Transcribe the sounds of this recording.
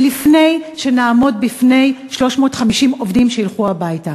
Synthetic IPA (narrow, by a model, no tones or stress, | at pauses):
lifne̞jʃe̞naːmo̞d̚bifne̞jʃlo̞ʃmo̞ːtχamiʃimo̞vdimʃejilχuabajta